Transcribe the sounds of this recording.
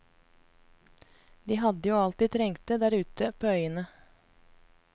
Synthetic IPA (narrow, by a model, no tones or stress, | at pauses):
d̪iːɦɑd̪əjuːɑlt̪iːt̪ʰɾɛŋt̪əd̪æːɾʉːt̪əpʰoːœʏənə